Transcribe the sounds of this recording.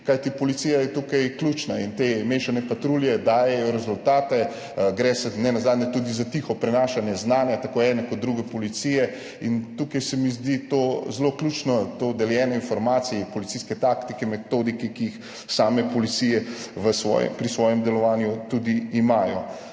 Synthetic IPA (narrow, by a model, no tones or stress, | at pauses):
kajt̪ipɔlit̪sijajɛt̪ukajklʲut͡ʃnaint̪emeːʃanɛpat̪ɾuljɛd̪aːjɛjɔɾɛzult̪aːt̪ɛ | ɡɾɛsɛnɛnazaːd̪nɛt̪ud̪izat̪ixɔpɾɛnaːʃanjɛznaːnjat̪akoːɛːnɛkɔt̪̚d̪ɾuɡɛpɔlit̪sijɛ | int̪ukajsɛmizd̪it̪ozloklʲuːt͡ʃnɔt̪od̪ɛljɛːnɔinfɔɾmaːt̪sijɛpɔlitsiskɛt̪akt̪ikɛmɛt̪oːd̪ikɛkiːx | saːmɛpɔlit̪sijɛʋəsʋɔ̰ːjɛ̰mpɾisʋɔːjɛmd̪ɛlɔʋaːnjut̪ud̪iːmajɔ̰